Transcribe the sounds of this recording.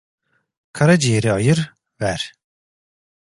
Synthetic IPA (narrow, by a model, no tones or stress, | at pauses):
kʰaɾad͡ʒijeɾiajɯɾ | væɾ̥